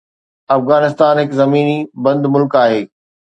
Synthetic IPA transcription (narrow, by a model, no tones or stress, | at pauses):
ɐfɣaːnɪst̪aːnɦɪkzɐmiːnibɐ̃nd̪mʊlkaːɦeː